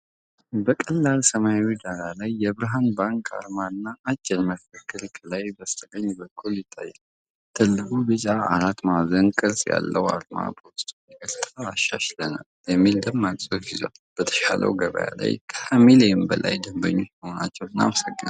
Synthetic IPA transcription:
bəkʼəlːalsəmajawid̪aɾalajːɛβɾaɦanbaŋkʰʼa̰ɾmaɨnːaːt͡ʃːɛlməkʰəkːɨlkʰəlajbəst̪ʰələɲːbəkʰːuljɪt̪ʼːa̰jːɛn | t̪ʰɨlːɨkubɨt͡ʃʼaaɾat̪mazənkʼɨɾsʼja̰lːəwa̰ɾma̰pʰolist̪ʼəɾt̪ʰaːʃːaʃləna̰ljɛmːild̪əmːasʼofizoalb̥ət̪ʰə̥ʃa̰lʔə̰wɡəβə̰ja̰la̰jkʰəhamiləjɪmbəlʔa̰jd̪əmbə̰ɲːo̞t͡ʃməho̞nat͡ʃːɛwɨna̰məsəɡːəna

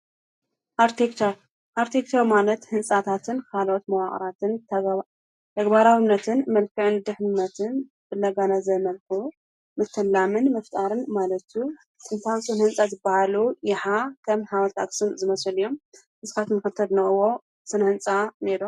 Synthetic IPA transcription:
ʔaɾt̪ʰekt͡ʃʰa | ʔaɾt̪ʰekt͡ʃ̪ʰawmalɐt̪hɨnsʼat̪ʰat̪ʰɨnkʰalot̪mɐwaχʼɾat̪ɨn | t̪ʰɐɡbaɾawɨnːɐt̪ʰɨnmɐlkʰɨʕɨnd̪ɨħmnɐt̪ʰɨn | b̥ɨlɐɡanazɐmɐlxu | mɨt̪ʰːɐlːamɨnmɐft̪ʼaɾɨnmalɐt̪ju | ɨnt̪ʰawsʼunhɨnsʼazɨbːahalujɪħakʰɐmhawɐlt̪ʰa̰ksɨnzɨmɐsɨljo̞m | ʔɨsɨkat̪nɨxɨt̪ʰːɐd̪nɐɨwo | sɨnhɨnt͡sʼaneɾu

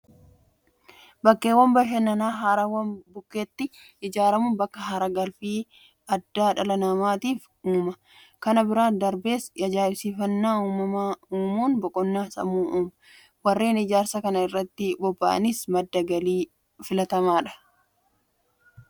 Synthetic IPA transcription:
bɐkːeːwːɐmbɐʃɐnːɐnaːɦaːɾɐwɐnbʊkːeːt̪ːɪ | ʔɪd͡ʒaːɾɐmʊnbɐkːɐɦɐɾɐɡɐlfiː | ɐd̪ːaːᶑɐlɐnɐmaːt̪iːf | uːmɐ | kɐnɐbɪɾaːnd̪ɐɾbe̞ːsjɐd͡ʒaːɪsiːfɐnːaːuːmɐmauːmuːnbɔkʼɔnːaːsɐ̰muːʔuːmɐ | wɐrːeːnɪd͡ʒaːɾsɐkɐnɐɪrːɐt̪ːɪbɔbːɐʔɐ̰nɪsmɐd̪ːɐɡɐliː | fɪlɐt̪ɐmaːᶑɐ̥

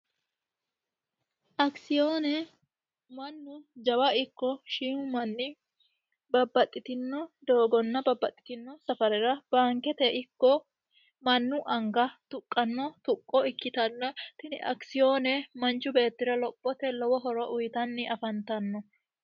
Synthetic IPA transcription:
ʔɐksɪjoːnɛ | mɐnːʊd͡ʒɐwɐɪkːɔʃiːʊmɐnːɪ | bɐbːɐt̪ʼːɪt̪ɪnːɔd̪o̞ːɡɔnːɐbɐbːɐt̪ʼːɪ̥t̪ɪnːɔsɐfɐɾɛɾɐb̥aːŋkɛt̪ɛʔɪkːɔ | mɐnːʊʔɐŋɡɐt̪ʊkʼːɐnːɔt̪ʊkʼːɔɪkːɪt̪ɐnːɐt̪ɪnɪ̰ʔɐ̰ksɪjoːnɛmɐnt͡ʃːʊbe̞ːt̪ːɪɾɐlɔpʼːɔt̪ɛlɔwɔɦɔɾɔʔʊjt̪ɐnːɪʔɐfɐnt̪ɐnːɔ

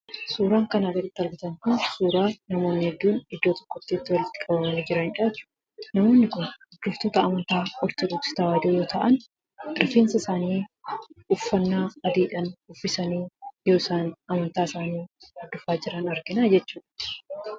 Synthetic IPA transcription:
suːɾaːŋkɐnɐɡɐɾɪt̪ːɪɐɾɡɪt̪ɐŋkʊnsuːɾaːnɐmo̞ːnːɪhɛd̪ːuːnɪd̪ːoːt̪ɔ̥kːɔt̪ːiɪt̪ːɪwɐlɪt̪ːɪ̥kʼɐbɐmɐnɪd͡ʒɪɾɐnɪᶑaːt͡ʃːʊ̥ | nɐmo̞ːnːɪkʊnd̪ʊft̪oːt̪ɐːmɐnt̪aːɔɾt̪ɔduːksɪ̥t̪ɐwaːd̪oːjoːt̪ɐʔɐn | ɪɾfeːnsɐsaːniː | ʊfːɐnːaːɐd̪iːᶑɐnʊfːɪsɐniːjo̞ːɪsaːnɐmɐnt̪aːɪsaːniːɐd̪ːʊfaːd͡ʒɪɾɐnɐɾɡɪnaːd͡ʒɛt͡ʃːuːᶑɐ

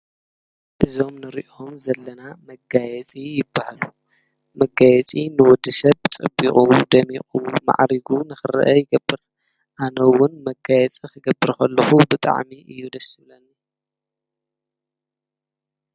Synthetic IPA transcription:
ʔɨzo̞mnɨɾḭʔo̞mzɐlːɐnamɐɡajɛt͡sʼijɪbːahalu | mɐɡajɛt͡sʼinɨwɔd̪ɨsɐβt͡sʼɨbːiχʼud̪ɐmiχʼuwma̰ʕɾiɡunɨxɨɾɐ̰ʔɐjɪɡɐbːɨɾ | ʔanɐwːʊnmɐɡajɛt͡sʼikɨɡɐbːɨɾkʰɐlːɐxubɨt̪ʼa̰ʕmiʔɨjːud̪ɐsɨlɐn

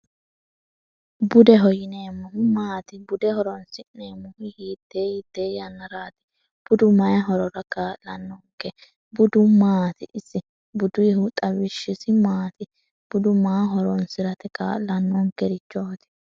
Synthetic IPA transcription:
bʊd̪ɛɦɔjɪneːmːʊhʊmaːt̪ɪbʊd̪ɛhɔɾɔnsɪʔneːmːʊhɪhiːt̪ːeːiːt̪ːeːjɐnːɐɾaːt̪ɪ̥ | b̥ʊd̪ʊmɐjɦɔɾɔɾɐkaːʔlɐnːɔŋkːɛ | bʊd̪ʊmaːt̪ɪʔɪsːɪ | bʊd̪ʊjɛhʊt̪ʼɐwɪʃːɪsɪmaːt̪ɪ | b̥ʊd̪ʊmaːɦɔɾɔnsɪɾɐt̪ɛka̰ːlɐnːɔŋkːɛɾɪt͡ʃːoːt̪ɪ̥

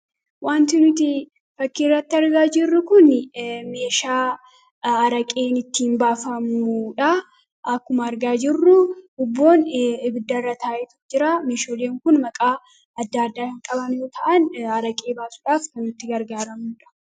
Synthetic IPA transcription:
waːnt̪ɪnʊt̪ɪ | fɐkːirːɐt̪ːɪɐɾɡaːd͡ʒɪrːʊkʊnme̞ːʃaː | ɐɾɐkʼe̞ːnɪt̪ːiːnbaːfɐmuːᶑɐ | ʔɐkːʊmɐɐɾɡaːd͡ʒɪrːʊhʊbːo̞ːnɪbɪd̪ːɐrːɐt̪ʰaːʔɪt̪ud͡ʒɪɾaːmeːʃoːleːŋkʊnmɐkʼaː | ɐd̪ːaːɐd̪ːaːkɐŋkʼɐbɐnjoːt̪ʰɐʔɐnɐɾɐkʼe̞ːbaːsʊᶑaːfkɐnʊt̪ːɪɡɐɾɡaːɾɐmuːᶑɐ̥

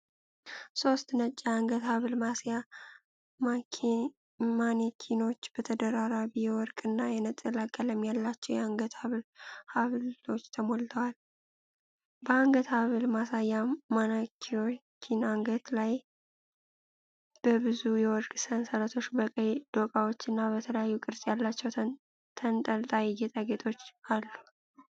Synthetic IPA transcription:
so̞st̪nət͡ʃʼːaaŋɡət̪haβɨlmasja | ma | manekʰino̞t͡ʃːb̥ət̪ʰəd̪əɾaɾaβijɛwɔɾkʼɨnːajɛnət̪ʼəlakʼːələmjalːat͡ʃːɛwjɛaŋɡət̪haβɨlhaβlo̞t͡ʃːt̪ʰəmolt̪ʰəwal | bəaŋɡət̪haβɨlmasajːamanakʰo | kʰinaŋɡət̪laj | b̥əbɨzujɛwɔɾkʼsənsalət̪ʰo̞t͡ʃːbəkʼəjd̪̥o̞kʼawot͡ʃːɨnːabət̪ʰələjajːukʼɨɾsʼjalːat͡ʃːɛw | t̪ʰənt̪ʼəlt̪ʼawijet̪ʼaɡet̪ʰo̞t͡ʃːalːu

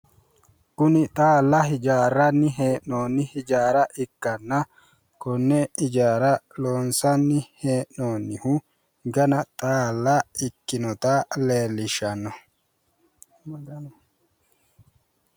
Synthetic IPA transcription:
kʊnɪt̪ʼaːlːɐɦɪd͡ʒaːɾːɐnːɪɦeːʔnoːnːɪhɪd͡ʒaːɾɐʔɪkːɐnːɐ | kɔnːɛɪd͡ʒaːɾɐloːnsɐnːɪheːʔnoːnːɪhʊ | ɡɐnɐt̪ʼaːlːɐɪkːɪnɔt̪aːleːlːɪʃɐnːɔ

